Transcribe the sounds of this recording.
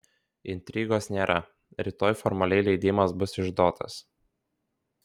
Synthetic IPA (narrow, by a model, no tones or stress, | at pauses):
ɪnʲt̪ʲɾʲiːɡoːsnʲeːɾʔɐ | ɾʲɪt̪oːjfɔɾmɐlʲɛɪlʲɛɪd̪ʲɪmɐsbʊsɪʒd̪oːt̪ʰɐ̰s